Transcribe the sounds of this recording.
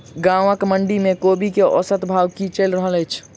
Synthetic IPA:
ɡãwãkməɳɖimẽkobikeʔɔ̰sət̪bʱawkit͡ʃəlɾəɦələjt͡ʃʰ

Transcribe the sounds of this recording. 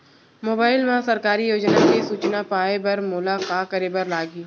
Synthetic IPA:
moːbaːɪlʋãsɐɾkaːɾijoːd͡ʒnakesuːt͡ʃnapaːebɐɾmʊːlakakəɾeːbɐɾlaːɡiː

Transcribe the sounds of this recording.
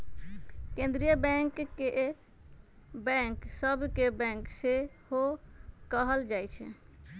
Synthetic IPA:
kẽnd̪ɾijəbɛ̃ŋkːe | bɛ̃ŋksəbʱkebɛ̃ŋkse | hokəɦəld͡ʒajt͡ʃʰɛ̰

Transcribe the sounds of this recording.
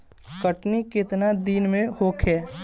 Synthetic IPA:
kəʈnikɪt̪nad̪iːnmẽhoːkʰɛː

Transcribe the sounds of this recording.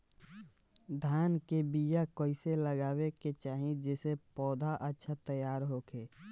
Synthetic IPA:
d̪ʱaːnkebijakoːɪseləɡaːweket͡ʃaːɦĩd͡ʒesepɔːd̪ʱaʔətːʃʰat̪əjaːɾɦoːkeː

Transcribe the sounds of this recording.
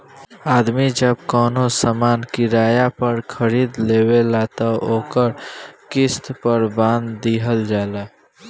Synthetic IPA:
aːd̪mid͡ʒəb̚kɔːnosamaːnkiɾaːjapəɾkʰəɾiːd̪leːwelat̪ɔoːkəɾkɪst̪pəɾbãnd̪ːiɦəld͡ʒala

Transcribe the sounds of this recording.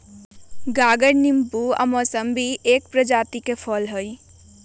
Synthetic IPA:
ɡaːɡəɾnimpuə̰mɔːsəmbʱiʔeːk̚pɾəd͡ʒaːt̪ikepʰɔlɦəj

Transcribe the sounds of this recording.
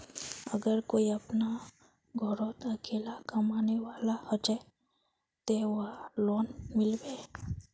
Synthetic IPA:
ə̰ɡəɾkoːiɐpna | ɡʱɔɾoːt̪ɐkeːlakɐmaːneʋaːlahət͡ʃə | t̪eʋloːnmɪlbeː

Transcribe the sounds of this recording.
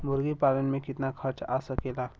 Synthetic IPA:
mʊɾɡipaːlənmẽkɪt̪nakʰɐɾt͡ʃa̰ːsɐkeːlaː

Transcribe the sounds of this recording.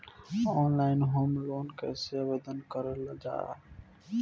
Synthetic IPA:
ɔnlaɪnɦomlonkɛseabed̪ənkəɾeləd͡ʒa̰

